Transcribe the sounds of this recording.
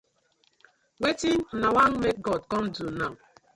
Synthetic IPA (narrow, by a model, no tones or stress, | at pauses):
wetin̩nawaŋmek̚ɡɔd̚kɔm̩duna